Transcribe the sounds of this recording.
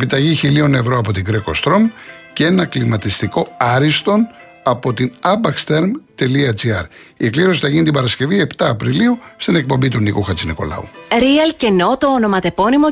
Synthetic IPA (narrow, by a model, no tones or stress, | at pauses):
epit̪ɐʝiçilio̞ne̞vɾo̞ɐpo̞t̪iɡɾekost̪ɾo̞mceenɐklimɐt̪ist̪iko̞ɐɾist̪o̞n | ɐpo̞t̪inɐbɐkst̪eɾmt̪e̞liɐt͡siɐɾ | ikliɾo̞si̥θɐʝinit̪ibɐɾɐsce̞vie̞pt̪ɐːpɾiliust̪ine̞k̚po̞mbit̪unikuxɐt͡siniko̞̰lɐ̰ṵɾiɐlceno̞t̪oːno̞mɐt̪e̞po̞nimo